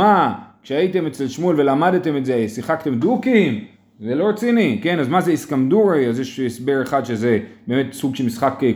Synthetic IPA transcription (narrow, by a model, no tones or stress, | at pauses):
akʃeaite̞met͡selʃmulve̞lamadte̞metzesiχakt̪e̞mdukim | velo̞ʁet͡sinike̞nazmazeiskamd̪uʁeazjeʃesbeʁeχadʃezebeːmet̪suɡʃelmisχakːe